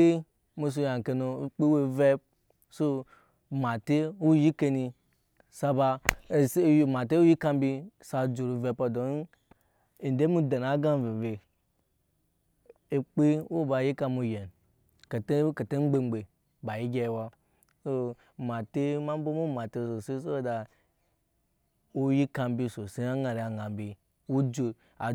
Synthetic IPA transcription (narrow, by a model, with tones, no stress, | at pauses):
e˦ | mu˧s̬u˧ja˨ŋ˨ke˧no˨k͡pe˦we˦˧ve˦p̚ | so˦˧ | ma˨te˦wu˦ji˦ke˧ni˧ | sa˧ba˧˨sma˨te˦wu˦ji˦ka˧m˦bi˧sa˧d͡ʒu˨ɾu˨ve˧pa˨do˨n˦˨ | n˨de˦mu˦da˨na˨˦ɡa˦˨ve˨ve˨ | k͡pi˦wo˦ba˧˨ji˦ka˧mu˧je˨n˨ | ke˨te˦ke˨te˦ŋ͡m̩˦ɡ͡be˦˧ŋ͡mɡ͡be˨ | ba˨ji˦ɡʲe˧jwa˧ | so˦ | ma˨te˦ma˦m˦bo˦mu˦ma˨te˧˨so˨se˦s̬o˦da˨ | o˦ji˦ka˧m˦bi˧so˨si˦a˦ɡa˨ɾi˨a˨ɡa˨m˦bi˧ | wu˦d͡ʒo˨ | a̰˨